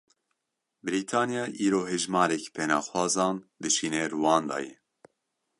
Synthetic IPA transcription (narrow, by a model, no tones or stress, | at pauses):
bɨɾiːt̪ʰɑːnijɑːʔiːɾoːɦeʒmɑːɾɛkpʰɛnɑːxwɑːzɑːnd̪ɨʃiːnɛɾuwɑːnd̪ɑ̰ːjɛ̰